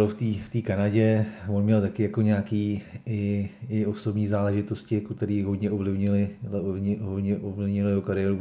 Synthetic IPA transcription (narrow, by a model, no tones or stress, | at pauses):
loft̪iːft̪iːkanaɟɛvonmɲɛlt̪akɪjako̞ɲakiːɪɪo̞so̞bɲiːzaːlɛʒɪt̪o̞scɪakot̪ɛɾiːɦod̪ɲɛʔovlɪvɲɪlɪɲɪɦodɲɛʔovlɪvɲɪljɛɦokaɾɪjɛːɾu